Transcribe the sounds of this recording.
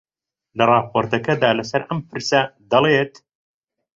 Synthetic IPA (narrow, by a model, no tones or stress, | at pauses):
lɐrˤɑːpʰoːɾt̪ɐkɐd̪aːlɐsɐɾʔɐmpʰɨɾsɐd̪ɐlˠet̪